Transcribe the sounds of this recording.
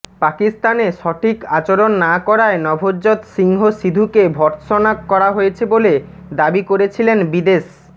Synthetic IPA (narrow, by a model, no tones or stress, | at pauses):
pakist̪aneʃɔʈʰikat͡ɕoɾonːakɔɾaenɔbʱod͡ʑot̪ʃiŋɦoʃid̪ʱukebʱɔɾt̪ʃonakkːɔɾaɦojet͡ɕʰebole | d̪abikoɾet͡ɕʰilenbid̪eʃ